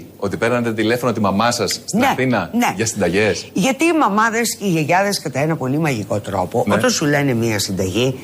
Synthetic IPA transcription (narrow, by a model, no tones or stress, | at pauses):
o̞t̪ipeɾnɐt̪et̪ile̞fonot̪imɐmɐsɐst̪nɐeθinɐne̞ʝɐsind̪ɐʝe̞sʝɐt̪iːmɐmɐðesiʝeʝɐðeskɐt̪ɐenɐpo̞limɐʝiko̞t̪ɾo̞̰po̞ʔot̪ɐnsule̞ne̞miɐsind̪ɐʝi